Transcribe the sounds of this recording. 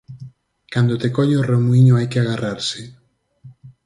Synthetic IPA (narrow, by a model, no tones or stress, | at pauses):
kand̪ot̪ekɔʎeoremwiɲoajkeaɣaraɾsɪ